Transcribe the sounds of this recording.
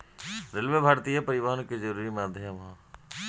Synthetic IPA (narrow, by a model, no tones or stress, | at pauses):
ɾɪlʋebʱaːɾt̪ijapɐɾɪʋaːɦənked͡ʒəɾuːɾimaːd̪ʱjmɦã